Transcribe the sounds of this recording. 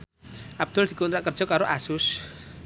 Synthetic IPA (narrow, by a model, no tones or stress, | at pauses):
ʔab̚d̪̥ɔld̪ikunɾaʔkərd͡ʒɔkaɾoʔasus